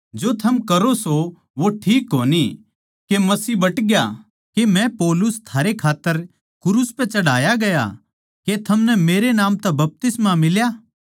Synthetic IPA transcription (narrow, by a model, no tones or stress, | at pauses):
d͡ʒot̪ʰɐmkɐɾoso | ʋoʈʰiːkːoːni | kemɐsiːbɐʈɡja | kemɛ̃pɔːlʊst̪ʰaːɾekʰaːt̪ːəɾ | kʊɾʊspɛ̃t͡ʃɐɽ̤aːjaɡɐja̰ | ket̪ʰɐmnɛmeːɾenaːmt̪ɛbɐp̚t̪ɪsmamɪljaː